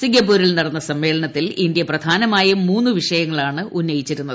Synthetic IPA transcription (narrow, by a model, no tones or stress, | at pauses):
siŋɡɐp̬ːuːɾilnɐɽɐnːɐsɐmːe̞ːɭɐɳɐt̪ːilindjɐprɐd̪ʱaːnɐmaːjɐmuːnːuʋiʂɐjɐŋːɐɭaːɳɨʔunːɐjit͡ɕːiɾunːɐðɨ